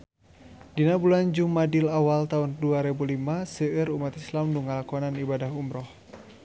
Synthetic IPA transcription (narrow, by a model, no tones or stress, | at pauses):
dinabuland͡ʒumadɪlawalt̪aunduaɾɛbulimasəəɾumat̪islamduŋalakɔnanibadaɦumɾɔh